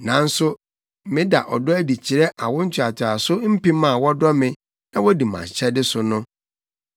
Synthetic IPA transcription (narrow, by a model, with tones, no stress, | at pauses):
nã˨n̩˦sʊ˦ | mɪ̃˦da̰˨ʔɔ˨dɔ˦æ˦di˨t͡ɕʰi˨ɾɛ˦ʔa˨wʊ̃˦n̩˦t͡ɕʰᶣʊ˨a˨t͡ɕʰa˨sʊ˦m̩˦pĩ˦mã˦˨wɔ˦dɔ˦mɪ̃˦ | nã˦wɔ˦di˨mã̰˨ɲ˨ɕʰɛ˦dɪ˦sʊ˨nʊ̃˦